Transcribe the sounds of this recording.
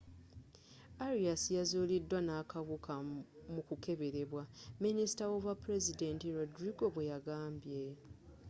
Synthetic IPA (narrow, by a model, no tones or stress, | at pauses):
aɾiasijazoːlidːwanaːkaβukamukuke̞βe̞ɾe̞βwaminisi̥tawoβwapɾe̞zide̞ntiɾodɾiɡo̞βwe̞jaɡaːmbje̞